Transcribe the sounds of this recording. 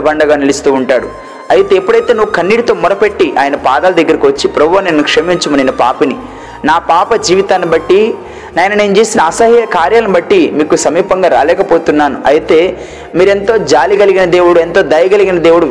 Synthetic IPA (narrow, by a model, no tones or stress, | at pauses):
ɐbɐɳɖɐɡaːnilist̪uːuɳʈaːɽu | ɐjit̪eːpːuɽɐjt̪e̞ːnuːukɐnːiɽit̪o̞ːmɔɾɐpeʈːiʔa̰ːjɐnɐpaːd̪aːlɐd̪ɐɡːɐɾikiʋɐt͡ʃːipɾɐbʱoːnenːukʂɐmiɲt͡ʃumɐninɐpaːpɐni | naːpaːpɐd͡ʒiːʋit̪aːnibɐʈːi | naːjɐnɐneːnut͡ʃeːsinɐɐsɐɦijɐkaːɾjaːlɐnmibɐʈːimiːkusɐmiːpɐŋɡaːɾa̰ːlɛːkɐpoːt̪unːaːnuɐjit̪e̞ː | miːɾe̞nt̪o̞ːd͡ʒaːliɡɐliɡinɐd̪eːwuɽuent̪o̞ːd̪ɐjɐɡɐliɡinɐd̪eːwuɽu